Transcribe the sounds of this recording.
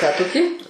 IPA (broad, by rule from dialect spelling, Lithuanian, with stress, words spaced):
kɑː toːˈkʲiː